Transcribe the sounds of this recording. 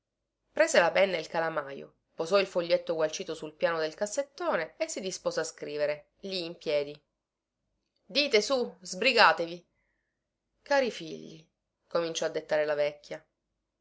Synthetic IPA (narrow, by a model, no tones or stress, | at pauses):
pɾeːzelapɛnːailkalamaːjo̰ | pozɔilfoʎːet̪ːoɡwalt͡ʃiːt̪osulpjaːnod̪elkasːet̪ːoːneesːid̪ispoːzeaskɾiːveɾe | liːmpjɛːd̪i | d̪iːt̪esuzbɾiɡaːt̪evi | kaːɾifiʎːḭ | komint͡ʃɔad̪ːet̪ːaːɾelavɛkʲːja